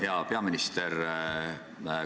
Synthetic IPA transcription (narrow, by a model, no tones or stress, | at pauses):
heɑpeɑminist̪er | ə